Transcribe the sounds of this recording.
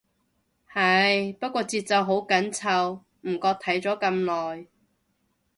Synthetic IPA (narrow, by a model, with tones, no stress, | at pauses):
hɐ˨˩jpɐ˥t̚kʷɔː˧t͡siː˧t̚t͡sɐ˨wɦo˨˥wkɐ˨˥nt͡sʰɐ˨˧w | m̩˨˩kɔː˧k̚t̪ʰɐ˨˥jt͡sɔː˨˥kɐ˧mlɔː˨j